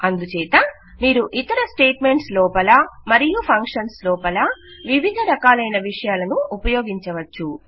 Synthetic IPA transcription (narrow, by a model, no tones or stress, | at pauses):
ɐnd̪ut͡ʃɛːt̪ɐ | miːɾuʔit̪ɐɾɐsʈeːʈme̞ɳʈslɔːpɐlɐmɐɾijupʰɐŋkʂɐnslɔːpɐlɐ | ʋiʋʱid̪ʱɐɾɐkaːlɐjnɐʋiʂɐjaːlɐnuːpɐjoːɡiɲt͡ʃɐʋɐt͡ʃːu